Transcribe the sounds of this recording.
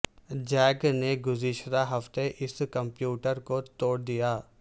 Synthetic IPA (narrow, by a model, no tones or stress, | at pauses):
d͡ʒɛːɡneɡʊzɪʃɾaɦɐft̪eʔɪskə̃mpjuːʈəɾkot̪oːɽd̪ijaː